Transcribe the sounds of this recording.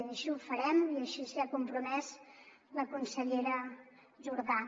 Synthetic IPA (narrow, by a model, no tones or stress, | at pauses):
nəʃiufəɾɛmiəʃisakumpɾumɛz | ləkunsəʎeɾə | ʒuɾða